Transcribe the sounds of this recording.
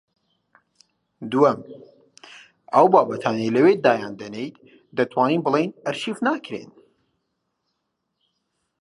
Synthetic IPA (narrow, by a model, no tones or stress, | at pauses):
d̪uɐm | ʔɐwbaːbɐt̪ʰaːnejlɐwed̪aːjaːnd̪ɐnejt̪̚ | d̪ɐt̪ʰwaːniːnbɨlˠejnɐɾʃifnaːkɾḛn